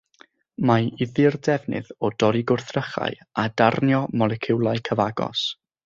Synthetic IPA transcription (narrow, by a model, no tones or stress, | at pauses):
maɪðɨrdɛvnɨ̰ðɔd̥ɔɾiɡʊrθrəχa̰ɨ | adarnjɔmɔlˠɛkʰɪwlˠaɨkʰəvaɡɔ̰s